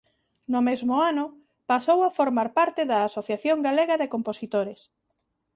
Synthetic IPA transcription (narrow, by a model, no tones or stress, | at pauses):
nʊmezmʊanʊ | pasowafoɾmaɾpaɾt̪ɪðɐːsoθjaθjoŋɡaleɣɐðekomposit̪oɾes